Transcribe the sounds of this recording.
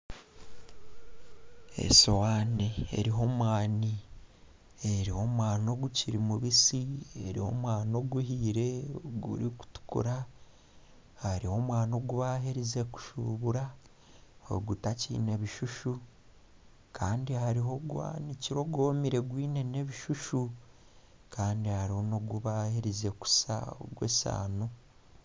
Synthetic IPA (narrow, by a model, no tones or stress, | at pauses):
ḛsowaneḛɾiɦo̞mwaːni | eɾiho̞mwaːno̞ɡuciɾimuβisieɾiho̞̰mwaːno̞ɡuhiːɾe̞oɡṵɾiku̥tu̥kṵɾa | haɾiho̞mwaːno̞ɡuβaɦeɾize̞ku̥ʃṵβuɾa | o̰ɡutacḭːne̞βiʃuʃu | kʰaːndihaɾiɦo̞ɡwa̰niciɾo̞ɡo̞ːmiɾe̞ɡwiːne̞ne̞βiʃuʃu | kaːndihaɾiho̞no̞ɡuβaheɾize̞ku̥sa̰o̰ɡwḛsa̰ːno